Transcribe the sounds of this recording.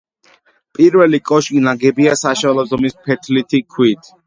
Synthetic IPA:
pʼiɾvɛlikʼɔʃkʼinaɡɛbiasaʃɛlˠɔzɔmispʰɛt̪ʰlit̪ʰikʰwit̪ʰ

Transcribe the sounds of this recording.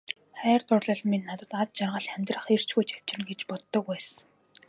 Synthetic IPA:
χæːrt̪ʰʊrɮə̆ɮmenːat̪ə̆t̪at̪̚t͡ɕarʁə̆ɮæmʲt̪rə̆χer̥t͡ɕɡujt͡ɕæw̥t͡ɕ̆rɘ̆nɡet͡ɕpɔt̪ːɞ̆kwæs

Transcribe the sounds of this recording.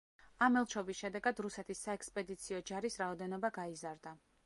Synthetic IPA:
amɛlˠt͡ʃʰɔbisʃɛd̪ɛɡad̪ɾusɛt̪ʰisːaɛkspʼɛd̪it̪sʰiɔd͡ʒaɾisɾaɔd̪ɛnɔbaɡaizaɾd̪a

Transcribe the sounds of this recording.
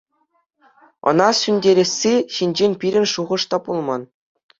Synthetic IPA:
ɤ̰̆nɑsʲynʲdʲeɾʲĕsʲːeɕinʲd͡ʑenʲpʲiɾʲɘ̆nʲʂuʁɤ̆ʂt̪ɑpulˠmɑn

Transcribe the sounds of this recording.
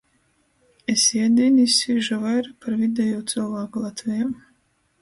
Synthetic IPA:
esiɛd̪inisʲiːʒavajɾapaɾvid̪ʲɛjuːt̪sɨlˠvaːkulˠat̪vʲɛjam

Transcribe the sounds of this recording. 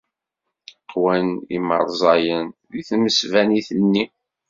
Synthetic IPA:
qwænḭmə̰ɾˤzˤɑjənðiθməsvæniθənːi

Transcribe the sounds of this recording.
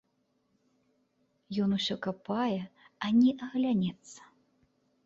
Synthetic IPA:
jɔnusʲɔkapajɛanʲɛʔɐɣlʲanʲɛt̪sːɐ̥

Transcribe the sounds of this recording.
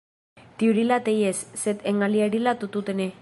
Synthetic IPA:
t̪iuɾilat̪ejesset̪eŋɡaliaɾilat̪ut̪ut̪ene

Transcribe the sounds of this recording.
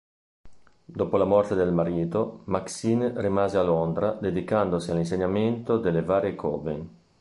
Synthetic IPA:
d̪opolamɔrt̪ed̪elmaɾiːt̪omaksinrimaːzealond̪ɾad̪ed̪ikand̪osialins̬eɲament̪od̪elevaːɾjekʰɔ̰ːveŋ

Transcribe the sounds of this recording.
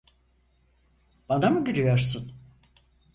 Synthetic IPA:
b̥anamuɟyɾyjoɾsɯn

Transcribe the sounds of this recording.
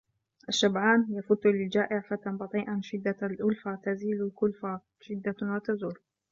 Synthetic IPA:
ʔaʃːabʕaːnjafʊt̪ːlɪld͡ʒaːʔɪʕfat̪anbɑt̪ˤiːʔanʃɪd̪ːalʔʊlfat̪aziːlʊlkʊlfa | ʃɪd̪ːawat̪azuːl

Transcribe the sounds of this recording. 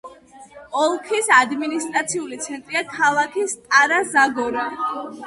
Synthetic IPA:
ɔlˠkʰisad̪minist̪ʼɾat̪sʰiulit̪sʰɛnt̪ʼɾiakʰalˠakʰist̪ʼaɾazaɡɔɾɔ

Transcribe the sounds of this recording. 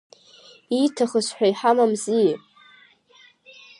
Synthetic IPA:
itʰaχəsħʷᶣaiħamamzijʼ

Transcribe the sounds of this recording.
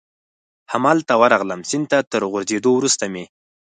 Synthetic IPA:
hamɑlt̪awəɾaɣləmsɪnd̪̚t̪at̪əɾɣʊɾzed̪owɾust̪ame

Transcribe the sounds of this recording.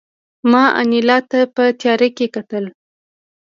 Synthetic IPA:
mɑʔa̰nilɑt̪apət̪jɑɾekekat̪əl

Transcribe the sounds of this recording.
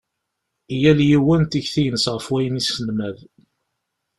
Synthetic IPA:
ijæljiwænt̪içθijənəsʁəfwæjənisənmæð

